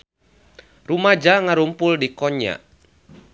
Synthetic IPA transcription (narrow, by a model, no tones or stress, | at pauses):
rumad͡ʒaŋaɾumpʊldikɔɲa̰ʔ